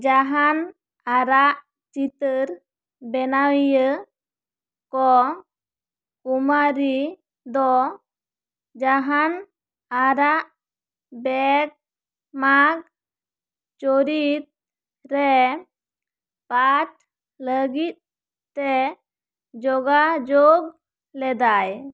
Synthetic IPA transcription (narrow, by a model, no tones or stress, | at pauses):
d͡ʒaɦan | aɾaʔ | t͡ʃit̪əɾ | bɛnawjə | kɔ | kumaɾi | d̪ɔ | d͡ʒaɦan | aɾaʔ | bɛk̚ | maɡ̚ | t͡ʃoɾit̪̚ | ɾɛ | paʈ̚ | ləɡit̪̚ | tɛ | d͡ʒɔɡad͡ʒoɡ | lɛd̪aj